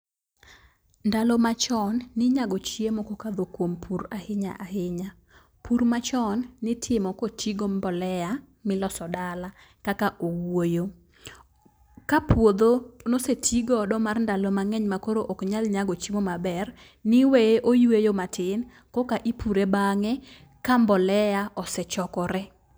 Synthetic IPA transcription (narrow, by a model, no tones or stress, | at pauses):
ndalɔmat͡ʃɔnːɪɲaɡɔt͡ʃiemɔkokad̪okwompʰuɾahɪɲa̰ʔahɪɲa | pʰuɾmat͡ʃɔnːɪtʰɪmɔkotʰiɡombɔlɛja | mɪlɔsɔdala | kakaʔowojo | kapʰwod̪onosetʰiɡɔdɔmarndalɔmaŋɛɲmakoɾoʔokɲalɲaɡot͡ʃimomabɛr | nɪweʔojuejomatʰɪn | kɔkaʔipuɾebaŋɛ | kambɔlɛjaʔɔsɛt͡ʃɔkɔɾɛ